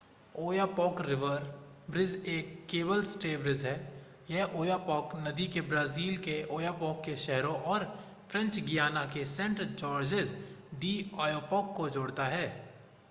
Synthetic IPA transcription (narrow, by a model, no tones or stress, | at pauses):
oːjaːpɔːkɾɪʋəɾbɾɪzeːkːeːbəlsʈeːbɾɪzɦɛː | jɛɦʔoːjapɔːknɐd̪ikebɾaːziːlkeoːjaːpɔːkːeʃɛɦɾõʔɔːɾ | fʰɾɛ̃ɲt͡ʃɡijaːnakesɛ̃ɳʈɾd͡ʒɔːɾd͡ʒɪzɖiːɔːjoːpɔːkːod͡ʒoːɽt̪aɦɛː